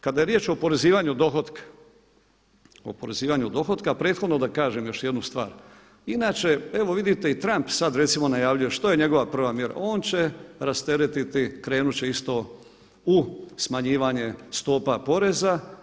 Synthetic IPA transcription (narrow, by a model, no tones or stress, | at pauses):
kad̪aje̞ɾjeːt͡ʃo̞po̞ɾe̞ziːʋaɲud̪o̞xod̪kḁ | o̰po̞ɾe̞ziːʋaɲud̪o̞xo̞d̪kapɾe̞ːt̪xo̞d̪no̞d̪akaːʒemjo̞ʃje̞d̪nust̪ʋaːɾ | inaːt͡ʃe̞e̞ʋo̞ʋid̪it̪e̞it̪ɾampsad̪ɾet̪simo̞najaːʋʎuje̞ʃt̪oje̞ɲe̞ɡo̞ʋapr̩ʋamjeɾa̰o̞ːnt͡ɕe̞ɾast̪e̞ɾet̪it̪ikɾe̞ːnut͡ɕe̞ist̪o̞ | usmaɲiːʋaɲe̞st̪oːpapo̞ɾe̞za